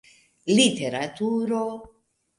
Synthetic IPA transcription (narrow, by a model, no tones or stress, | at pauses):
lit̪eɾat̪uɾo